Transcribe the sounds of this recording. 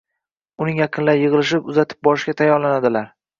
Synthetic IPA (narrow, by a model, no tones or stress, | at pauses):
ʊnɪŋjaqʰɨnlaɾɪjɨʁɨlˠɪʃɪpʊzat̪ʰɪ̥p̚bɒɾɪʃkʲat̪ʰajːɒɾlanad̪ɪlaɾ